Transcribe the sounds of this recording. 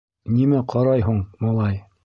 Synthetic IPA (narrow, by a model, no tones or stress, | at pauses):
nimæqʰɑɾɑjɦuɴmɑlˠɑj